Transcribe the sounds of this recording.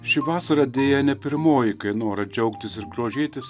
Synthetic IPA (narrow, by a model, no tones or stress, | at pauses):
ʃʲɪʋɑːsɐɾɐd̪ʲeːjɛnʲɛpʲɪɾmoːjɪkɐɪnoːɾɐd͡ʒʲɛʊkt̪ʲɪsɪɾɡɾoːʒʲeːt̪ʲɪs